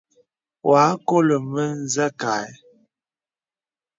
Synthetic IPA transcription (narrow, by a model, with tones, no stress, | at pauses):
wa˨˦ko˦lə˨mə˦n̩˦zɛ˦ka˨˦j